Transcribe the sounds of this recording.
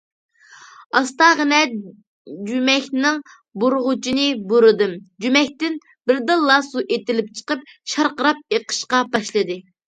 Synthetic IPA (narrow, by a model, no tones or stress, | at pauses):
ɑst̪ɑʁənɛ | d͡ʒymɛkʲnɪŋ | boɾʊʁʊt͡ʃʰinɨbuɾɨd̪ɨmd͡ʒymɛkʲt̪ɪn | bɪɾd̪ɨlːɑsuʔet̪ɪlɪp̚t͡ʃʰə̥qəp̚ʃɑɾqəɾɑp̚eqʰə̥ʃqɑbɑʃlˠɨd̪ɨ